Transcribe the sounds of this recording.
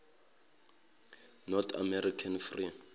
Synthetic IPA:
nɔt̪ʰa̰mɛɾikʰanfri

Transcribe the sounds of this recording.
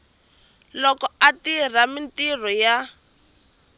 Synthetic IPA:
lɔkɔatir̤amintirɔja

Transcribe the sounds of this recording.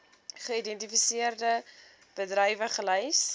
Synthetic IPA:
χəidɛntifisiərdə | b̥ədrɛjvəχələjs

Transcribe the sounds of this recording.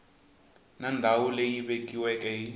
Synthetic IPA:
nandʱawulejiɓekʼiwɛkʼɛi

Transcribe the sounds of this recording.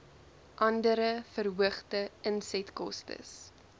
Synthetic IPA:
ʔɐndəɾəfərɦuəχtəənsɛtkɔ̰stə̰s

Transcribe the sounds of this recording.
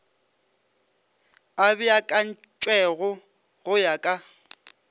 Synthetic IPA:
abɪakʼan̩ | t͡ʃʼwɛɣʊ | ɣʊjakʼa

